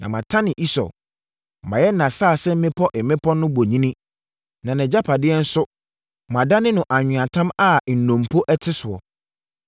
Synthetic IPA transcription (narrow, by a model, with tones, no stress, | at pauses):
nã̰˨mã˨tʰã˦nɪ̃˨ʔi˦sɔ̰˨ | ã˨jɛ˦nã˨saː˦˨sɛ˦m̩˦mɪ̃˦pʰɔ˦ʔɪ˨mɪ̃˦pʰɔ˦nʊ̃˦bo˨ɲĩ˦nĩ˦ | nã˨nɪ̃˨d͡ʑa˦pʰa˨dɪ˦ɛ˦n̩˦sʊ˦ | mã˨da˦nɪ̃˦nʊ̃˨ʔa˨ɲᶣʊ̃˨ã˨tʰã˦ma˦˨n̩˨nõ˨m˨pʰo˦ʔɛ˦tʰɪ˦sʊ˨ɔ̰˨